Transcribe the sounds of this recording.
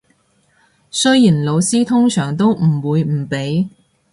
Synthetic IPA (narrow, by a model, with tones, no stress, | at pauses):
sɵ˥jjiː˨˩nlo˨˧wsiː˥t̪ʰʊ˥ŋsœː˨˩ŋt̪o˥wm̩˨˩wuː˨˧jm̩˨˩pe˨˥j